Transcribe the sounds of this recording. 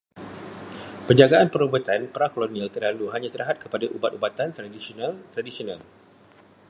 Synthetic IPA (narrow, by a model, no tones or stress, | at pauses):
pəɲd͡ʒaɡaanpəɾubat̪anpɾakolonialt̪ərlaluɦaɲãt̪əɾaɦat̪̚kəpadaʔubat̪ubat̪ant̪ɾadisionalt̪ɾadisional